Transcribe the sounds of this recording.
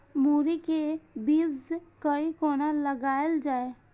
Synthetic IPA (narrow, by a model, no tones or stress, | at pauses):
muːɾikebiːzkəikoːnaləɡaːjəld͡ʒaːe